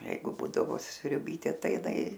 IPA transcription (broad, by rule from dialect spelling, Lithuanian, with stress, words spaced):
ˈjɛɪɡʊ ˈbuːdɐʋoː sʲrʲʊˈbʲiːtʲeː ˈtɐɪ ɪˈnɐɪ